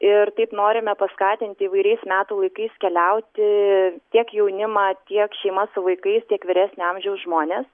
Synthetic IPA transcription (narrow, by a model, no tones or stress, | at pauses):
ɪɾt̪ɐɪpnoːɾʲɪmʲɛpɐskɑːt̪ʲɪnʲt̪ʲɪiʋɐɪɾʲɛɪsmʲæːt̪uːlˠɐɪkɐɪskʲɛlʲɛʊt̪ʲɪt̪ʲiɛkjɛʊnʲɪmɑːt̪ʲiɛkʃʲɛɪmɐsʊʋɐɪkɐɪst̪ʲiɛkʋʲɪɾʲæːsʲnʲʊɐmʲʒʲɛʊsʒmoːnʲeːs